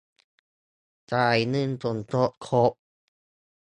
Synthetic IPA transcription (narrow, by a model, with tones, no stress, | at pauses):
t͡ɕaː˧˩jnɯ˧˥˨nt̪o˨˩nt̪o˦˥t̪̚kʰo˦˥p̚